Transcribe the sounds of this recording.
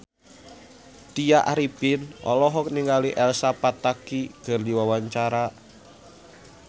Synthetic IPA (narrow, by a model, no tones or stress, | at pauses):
t̪iaʔaɾipɪnʔɔ̰lɔɦɔk̚niŋɡaliʔɛlsapat̪akikərdiwawaɲt͡ʃaɾa